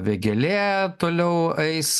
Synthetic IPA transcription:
ʋʲeɡʲɛlʲeːt̪oːlʲɛʊɐɪs

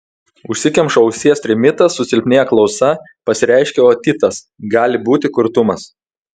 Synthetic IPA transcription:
ʊʃʲsʲɪkʲɛmpʃɔʊsʲiɛst̪ʲɾʲɪmʲɪt̪ɐsːʊsʲɪlʲpʲnʲeːjɛklˠɒʊsɐ | pɐsʲɪɾʲɛˑɪʃʲkʲeoːt̪ʲɪt̪ɐs | ɡɑːlʲɪbuːt̪ʲɪkʊɾt̪ʊmɐs

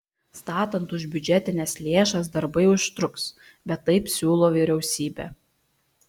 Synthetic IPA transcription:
st̪ɑːt̪ɐnt̪ʊʒʲbʲʊd͡ʒʲɛt̪ʲɪnʲɛslʲeːʃɐs̬d̪ɐɾbɐɪʊʃt̪ʲɾʊks | bʲɛt̪ːɐɪpsʲuːlˠoːʋʲiːɾʲɛʊsʲiːbʲɛ̰ː

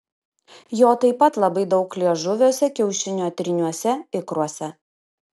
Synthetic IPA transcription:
joːt̪ɐɪpɐt̪lˠɐbɐɪd̪ɒʊklʲiɛʒʊʋʲuːsʲɛkʲɛʊʃʲɪnʲoːɐt̪ʲɾʲɪnʲuɔsʲɛɪkɾuɔsʲɛ

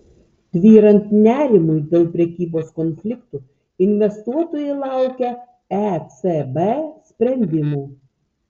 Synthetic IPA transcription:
d̪̥ʲʋʲiːɾɐnt̪nʲæːɾʲɪmʊjd̪ʲeːlˠpʲɾʲɛkʲiːboːskɔnʲfʲlʲɪkt̪uː | ɪnʲʋʲɛst̪uɔt̪oːjɛɪlˠɑˑʊkʲɛ | æt̪sebesʲpʲɾʲɛnʲd̪ʲɪmuː

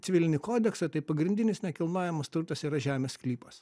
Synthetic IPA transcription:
t̪ʲɪʋʲɪlʲɪnʲɪkoːd̪ʲɛksɐt̪ɐɪpɐɡɾʲɪnʲd̪ʲɪnʲɪsnʲɛkʲɪlˠnɑːjɛmɐst̪ʊɾt̪ɐsiːɾɐʒʲæːmʲeːsklʲiːpɐs

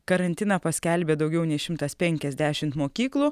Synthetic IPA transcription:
kɐɾɐnʲt̪ʲɪnɐpɐsʲkʲɛlʲbʲeːd̪ɐʊɡʲɛʊnʲɛɪʃʲɪmt̪ɐspʲɛŋʲkʲɛzʲd̪ʲæʃʲɪmt̪moːkʲiːklˠuː

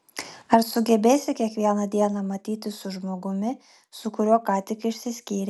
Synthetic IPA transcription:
ɐɾsʊɡʲɛbʲeːsʲɪkʲiɛkʋʲiɛnɐd̪ʲiɛnɑmɐt̪ʲiːt̪ʲɪsʊʒmoːɡʊmʲɪ | sʊkʊɾʲuɔkɑːt̪ʲɪkɪʃʲsʲɪsʲkʲiːɾʲɛ

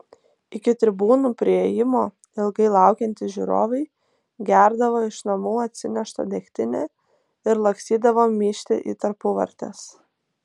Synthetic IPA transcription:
ɪkʲɪt̪ʲɾʲɪbuːnuːpʲɾʲɪeːjɪmoː | ɪlˠɡɐɪlˠɑˑʊkʲɛnʲt̪ʲɪʒʲṵːɾo̰ːʋɐɪ | ɡʲæˑɾd̪ɐʋoːɪʃnɐmuːɐt̪ʲsʲɪnʲɛʃt̪ɐ̰d̪ʲɛkt̪ʲɪnʲḛː | ɪɾlˠɐksʲiːd̪ɐʋoːmʲiːʃʲt̪ʲɪ̰ʔḭːt̪ɐɾpʊʋɐ̰ɾʲt̪ʲɛ̰ːs

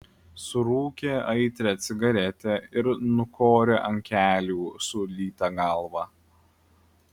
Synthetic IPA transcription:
sʊɾuːkʲeːɐɪt̪ʲɾʲɛt̪sʲɪɡɐɾʲɛt̪ʲɛɪɾnʊkʰoːɾʲeːʔɐŋʲkʲæːlʲuːsʊlʲiːt̪ɑɡɐˑlˠʋɑː

